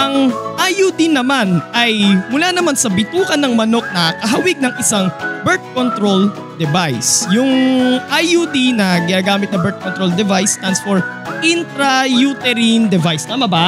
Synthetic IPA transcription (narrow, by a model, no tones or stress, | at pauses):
ʔɐŋʔajud̪ɪnɐmanʔɐjmʊlaːnɐmansɐbɪt̪uːkɐnːɐŋmɐno̞k̚nɐkɐɦɐwɪɡ̚nɐŋʔɪsaŋbɛɹt̪̚kont̪ɾol | d̪ɛvajsjʊŋʔajud̪inɐɡɪnaːɡaːmɪt̪̚nɐbɛɹt̪̚kont̪ɾold̪ɛvajst̪ansfɔɹ | ʔɪnt̪ɾɐjut̪ɛɾind̪ɛvajsnɐmɐba